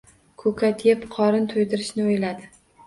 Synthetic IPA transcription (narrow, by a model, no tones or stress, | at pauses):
kʰɵkʰat̪ʰjepqʰɒɾɪnt̪ʰʊjd̪ɪɾɪʃnɪojlad̪ɪ